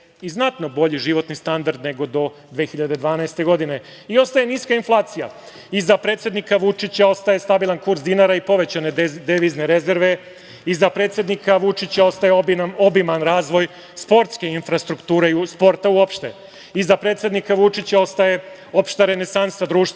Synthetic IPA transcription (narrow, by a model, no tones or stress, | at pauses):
iznat̪no̞bo̞ʎiʒiʋo̞t̪nist̪and̪aɾd̪ne̞ɡo̞d̪o̞ | d̪ʋeːxiʎad̪e̞d̪ʋaːnaest̪e̞ɡo̞d̪ine̞ | io̞st̪aje̞niskainflˠaːt̪sija | izapɾet̪sje̞d̪nikaʋut͡ʂit͡ɕao̞st̪aje̞st̪abilˠankuɾzd̪inaɾaipo̞ʋe̞t͡ɕane̞d̪eʋizneɾe̞ze̞ɾʋe̞ | izapɾet̪sjed̪nikaʋut͡ʂit͡ɕao̞st̪ajeobimanɾaːzʋo̞j | spo̞ɾt̪ske̞infɾast̪ɾukt̪uːɾespo̞ɾt̪auopʃt̪e | izapɾe̞t̪sʲjed̪nikaʋut͡ʂit͡ɕao̞st̪aje | o̞pʃt̪aɾene̞sansad̪ɾuːʃt̪